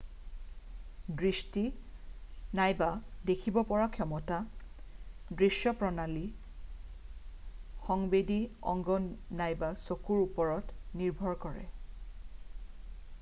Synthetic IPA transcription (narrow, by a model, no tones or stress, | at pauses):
dɹisti | najbadekʰibɔpɔɹakʰjɔmɔta | dɹisjɔpɹɔnali | xɔŋbediɔ̰ŋɡɔnajbasokuɹupɔɹɔtniɹbʱɔɹkɔɹɛ̰